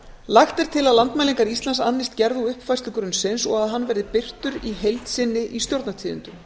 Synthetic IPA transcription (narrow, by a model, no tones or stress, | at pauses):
lajxt̪ɛɾ̥t̪ʰɪlaðlant̪majliŋkaɾist̪lansanːɪst̪cɛɾðuʏhpfajst̪ʏkɾʏnsɪnsɔɣaðɦanːvɛɾðɪpɪr̥t̪ʏɾiɦejlt̪sɪnːɪʔist̪jowɾt̪nat̪ʰiːðʏ̰nt̪ʏ